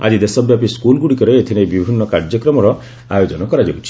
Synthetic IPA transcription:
a̰d͡ʒid̪esɔbjapiskulɡuɽikɔɾeet̪ʰinebibʱinːɔkaɾd͡ʒjɔkɾɔmɔɾɔ | a̰jod͡ʒɔnɔkɔɾad͡ʒebut͡ʃʰi̥

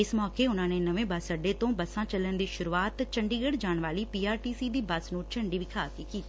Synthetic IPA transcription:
ɪsmɔːkeːʊnãːneːnəʋẽːbəsəɖeːt̪õːbəsãːt͡ʃələnd̪iːʃʊɾuːaːt̪t͡ʃəɳɖiːɡəɽd͡ʒaːɳʋaːliːpiːaːɾʈiːsiːd̪iːbəsnũːt͡ʃəɳɖiːʋɪkʰaːsiːkiːt̪iː

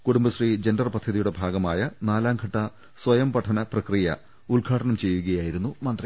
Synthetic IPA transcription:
kuɽumbɐsriːd͡ʑendɐrpɐd̪ʱːɐðijuɽe̞bʱaːɡɐmaːjɐnaːlaːmɡʱɐʈːɐ | sʋɐjɐmpɐʈʰɐnɐprɐkrijɐ̰ | uɭɡʱaːʈʰɐɳɐmt͡ɕe̞jːuɣɐjaːjiɾunːumɐnd̪ri

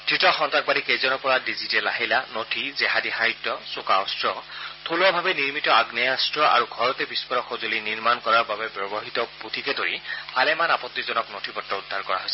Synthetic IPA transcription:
d̥ɹitɔxɔntak̚balikejzɔnɔpɔɹadizitɛlaɦilanotʰizɛɦadiɦaitɔsokaɔstɹɔt̪ʰulɔbʱabɛniɹmitɔaɡnɛjastɹɔʔa̰ɹuɡʱɔɹɔtɛbispɔɹɔxozoliniɹmankɔɹaɹbabɛbjɔbɔɦit̪ɔput̪ʰikɛdoɹḭpʰalɛmanapɔt̪ːizɔnɔknotʰibɔtːɔudʱːaɹkɔɹa̰ɦojsɛ

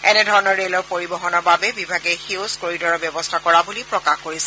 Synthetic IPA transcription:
ɛnɛdʱɔɹɔnɔɹɹelɔɹpoɹibɔɦɔnɔɹbabɛbibʱaɡɛxizkoɹidɔɹɔbjɛbɔstʰakɔɹabulipɹɔkaxkoɹisɛ

